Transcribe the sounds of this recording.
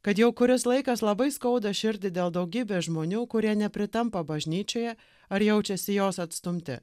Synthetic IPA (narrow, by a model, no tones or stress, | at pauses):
kɐt̪jɛʊkʊɾʲɪslˠɐɪkɐslˠɐbɐɪskɐʊd̪ɐʃʲɪɾʲd̪ʲɪd̪ʲeːlˠd̪ɐʊɡʲiːbʲeːʒmoːnʲuːkʊɾʲiɛnʲɛpʲɾʲɪt̪ɐmpɐbɐʒʲnʲiːt͡ʃʲoːjɛ | ɐɾjɛʊt͡ʃʲɛsʲɪjoːsɐt̪st̪ʊmʲt̪ʲɪ̰